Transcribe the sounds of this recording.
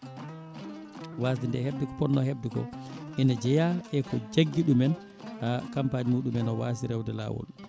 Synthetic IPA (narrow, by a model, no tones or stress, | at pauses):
waːs̬dindɛheb̚dɛkɔ̥pɔnːɔheb̚dɛkɔ̰ʔinad͡ʒɛjaʔɛkɔd͡ʒeɡːiɗumɛn | akampaɲimuːɗumɛnɔwaːsiɾɛwdɛla̰wɔ̰l